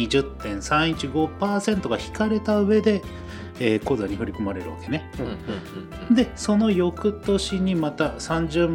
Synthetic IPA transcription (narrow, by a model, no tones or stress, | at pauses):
iʑɨt̪ːẽ̞ɰ̃sãɰ̃it͡ɕiɡo̞paːsẽ̞nt̪o̞ɡaçi̥kaɾe̞t̪aɯ̟βe̞d̪e̞ | eːko̞ːzaɲ̟ihoɾʲikomaɾe̞ɾɯ̟βa̰ke̞ne̞ | d̪e̞so̞no̞jo̞kɯ̟t̪o̞ɕiɲ̟imat̪asãɲ̟d͡ʑɨːm